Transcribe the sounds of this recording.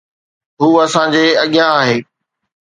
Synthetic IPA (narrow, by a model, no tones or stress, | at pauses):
ɦuːɐsãd͡ʑeːɐɠɪjaːɦeː